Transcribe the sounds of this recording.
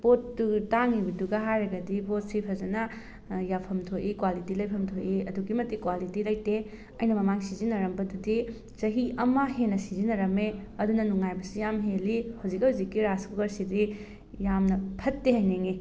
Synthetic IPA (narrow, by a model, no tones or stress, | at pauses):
botːutaŋibɐduɡɐɦajɾɐɡɐdibot̚sipʰɐzɐnɐ | japʰɐmtʰoʔikwalitilɐjpʰɐmtʰojʔiɐduɡimɐtːikwalitilɐjte | ɐjnɐmɐmaŋsizinɐɾɐmbɐdudi | zɐɦiʔɐmɐɦenɐsizinɐɾɐmeɐdunɐnuŋajbɐsijamɦelihɐwzikhɐwzikːiɾaskuɡɐɾsidi | jamnɐpʰɐtːeɦɐjneŋi